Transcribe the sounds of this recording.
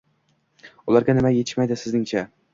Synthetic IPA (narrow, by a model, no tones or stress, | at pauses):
ʊlˠaɾɡʲanɪmajet̪ʰɪ̥ʃmajd̪ɪsɪznɪŋt͡ʃʰa